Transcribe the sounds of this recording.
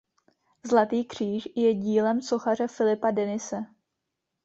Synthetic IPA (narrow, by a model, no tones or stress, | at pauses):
zlat̪iːkr̝̥iːʃjɛɟiːlɛmso̞xar̝ɛfɪlɪpadɛnɪsɛ